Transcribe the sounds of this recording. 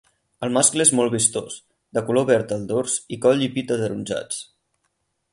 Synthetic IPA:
əlˠmaskləezmɔlˠβist̪os | d̪əkuloβɛɾt̪əlˠd̪orzikɔʎipit̪əðəɾunʲʒa̰t͡s

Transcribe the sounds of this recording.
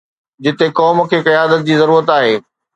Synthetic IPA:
d͡ʑɪt̪ekɔːm̆kʰeːkɪjaːd̪ət̪̚d͡ʑiːzɐɾuːɾət̪aːɦeː

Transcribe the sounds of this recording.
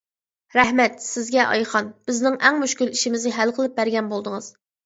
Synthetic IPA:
ɾɛhmɛt̪sɪzɡʲɛʔɑ̰jχɑnb̥ɪznɪŋɛŋmyʃkʲyliʃimɪznɪɦælqʰəlˠɨp̚bæɾɡʲɛnbolˠd̪ɨŋɨz̥

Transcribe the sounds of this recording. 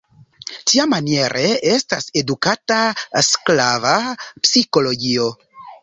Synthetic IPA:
tiamanie̞ɾʔe̞e̞stase̞dukatasklavapsiko̞lo̞ɡio̞

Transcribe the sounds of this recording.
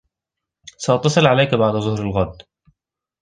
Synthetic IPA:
saʔɑt̪ːɑsˤɨlʕalajkabaʕd̪azˤʊhɾɪlɣad̪ː

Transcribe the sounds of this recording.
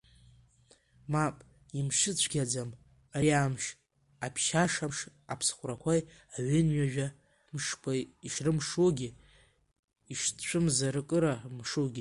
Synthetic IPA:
mapʼ | imʂɨt͡ɕʷʰɡʲad͡zam | ajaːmʃ | apʰʃaʂaʂ | apʰsχʷrakʷʰajaɥɪnɥaʒᶣa | mʂpʷʰʼaiʂrɨmʂuɡʲi | iʂt͡ɕʷʰɨmzaɾɨkʼɨɾamʂuɡʲi

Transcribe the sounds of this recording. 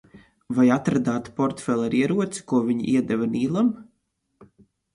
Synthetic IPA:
vajat̪ɾad̪aːt̪pɔɾt̪fɛlˠaɾiɛɾuɔt̪si̥kuɔvʲiɲḭʔiɛd̪ɛvaniːlˠam

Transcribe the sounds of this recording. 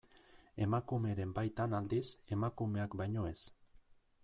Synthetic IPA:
e̞makume̞ɾe̞mbajt̪anald̪ise̞makume̞akbajɲo̞e̞s

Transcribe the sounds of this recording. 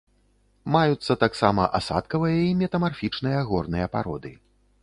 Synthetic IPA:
majut̪sːɐt̪aksamɐʔasa̰t̪kɐvɨjɐimʲɛt̪ɐmarfʲit͡ʂn̪ɨjɐɣɔrnɨjɐpaɾɔ̰d̪ɨ

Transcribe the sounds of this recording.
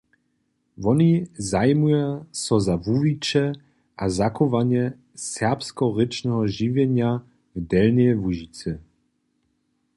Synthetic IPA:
vɔnizajmujasɔzavuvit͡ʃɛ | ʔazakɔvaɲɛ | sɛʁpskɔʁɪt͡ʃnɛɦɔʒivjɛɲja | vd̪ɛlnɛvuʒit͡sɛ

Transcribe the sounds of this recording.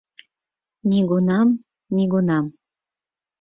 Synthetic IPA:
niɡunɑm | niɣunɑm

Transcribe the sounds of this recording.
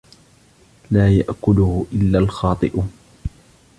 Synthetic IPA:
laːjaʔkʊlʊhʊʔɪlːaːlxɑːt̪ˤɨʔ

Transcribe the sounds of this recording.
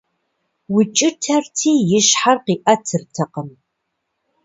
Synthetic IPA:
wʊt͡ʃʼɪtʰɐrtʰiːjɪɕħarqiːʔɐtʰɨrtʰɐqəm

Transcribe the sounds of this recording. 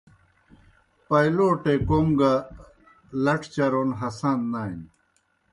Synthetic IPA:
pɐjloːʈekoŋɡa | lɐʈʰt͡ɕɐɾoːnɦɐsaːnːaːin

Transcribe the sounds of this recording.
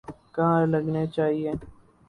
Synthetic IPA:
kaãɾlɐɡnet͡ʃaːɦie

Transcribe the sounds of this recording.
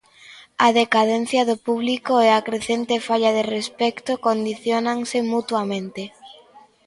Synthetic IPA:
aðekaðen̟θjaðʊpuβlikoɛakɾeθent̪efaʎaðerespɛkt̪okond̪iθjonaŋsɪmut̪wamẽnt̪ɪ

